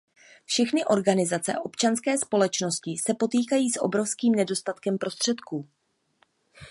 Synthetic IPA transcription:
fʃɛxnɪʔo̞ɾɡanɪzat͡sɛ̰ʔo̞pt͡ʃanskɛːspo̞lɛt͡ʃno̞scɪsɛpo̞t̪iːkajiːsʔo̰bɾo̞fskiːmnɛdo̞st̪at̪kɛmpɾo̞st̪r̝̥ɛt̪kuː

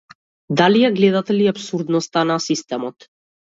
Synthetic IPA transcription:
d̪alijaɡlɛd̪at̪ɛliapsuɾd̪nɔst̪anasist̪ɛmɔt̪

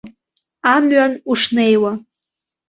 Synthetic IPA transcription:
amɥanuʂnejwa

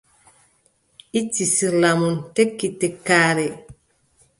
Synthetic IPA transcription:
ʔitːisiɾlamuntekːitːekːaːɾɛ

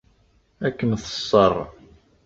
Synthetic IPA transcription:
ækːənθə̥sˤːərˤ

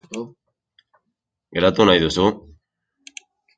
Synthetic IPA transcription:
ɡeɾat̪unajðusu

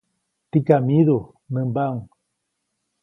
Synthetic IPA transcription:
t̪ikamiðu | nəmbaŋ

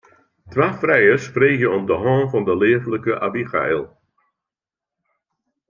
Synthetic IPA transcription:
tʋaːfrɛjəspreːɣjənɔmdəɦɔːnvɑndəleːvləkəʔa̰biχa̰ɪlˠ

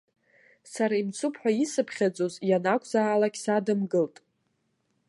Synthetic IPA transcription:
saɾaimt͡sʰupʰħʷᶣaisɨpʰχʲad͡zʼozjanakʷʰʼzaːlakʲsadɨmɡɨltʼ

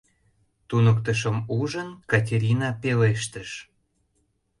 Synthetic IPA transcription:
t̪unəkt̪əʃəmuʒənkɑt̬ʲeɾʲinɑpeleʃt̪əʃ

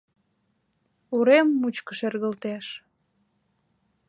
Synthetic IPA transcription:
uɾemːut͡ɕkəʃerɣəlt̪eʃ

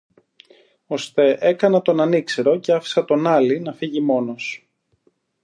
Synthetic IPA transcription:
o̞st̪e̞ʔe̞kɐnɐt̪o̞nɐnikse̞ɾo̞ce̞ɐfi̥sɐt̪o̞nɐlinɐfiʝimo̞no̞s

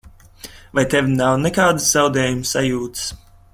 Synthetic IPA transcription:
vajt̪ɛvʲinawnɛkaːd̪ɨsz̥awd̪ɛːjumsajuːt̪ɨ̥s

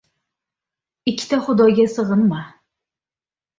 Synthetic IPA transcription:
ɪkʲʰːɪ̥t̪aχʊd̪ɒɡʲasɨʁɨnma

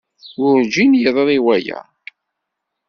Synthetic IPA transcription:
jʊɾd͡ʒinjəðˤðˤiwæjæ̰

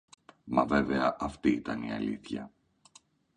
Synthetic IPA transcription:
mɐve̞veɐʔɐft̪iit̪ɐniɐ̰lḭθçɐ

